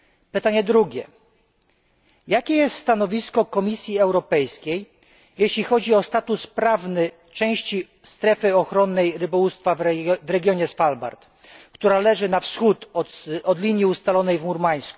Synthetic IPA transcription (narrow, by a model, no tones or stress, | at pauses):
pɘt̪aɲɛd̪ɾuɡʲɛ | jakʲɛjɛst̪st̪anɔvʲiskɔkɔmʲisʲjiɛwɾɔpɛjskʲej | jeɕlʲixɔd͡ʑiɔst̪at̪uspɾavnɘ | t͡ʂɛ̃w̃ɕt͡ɕi | st̪ɾɛfɘɔxɾɔnːɛjɾɘbɔwust̪favɾɛɡʲjɔɲɛsfalba̰ɾt̪ | kt̪uɾalɛʐɘnafsxut̪ɔd̪lʲiɲjiust̪alɔnɛjvmuɾmaj̃sku̥